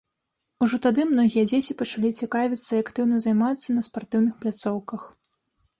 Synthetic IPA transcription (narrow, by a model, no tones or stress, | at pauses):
uʐɔt̪ad̪ɨmnɔɣʲijɐd͡zʲet͡sʲipɐt͡ʂalʲit͡sʲɛkavʲit̪sːɐiakt̪ɨwnɐzajmat̪sːɐnɐspart̪ɨwnɨxplʲat̪sɔwkɐx